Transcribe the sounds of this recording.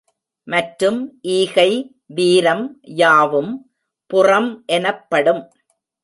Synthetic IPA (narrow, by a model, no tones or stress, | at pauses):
mɐʈɾɯmʔiːɣɐɪ | ʋiːɾɐmjaːʋɯm | pʊrɐmʔɛnɐpːɐɽɯm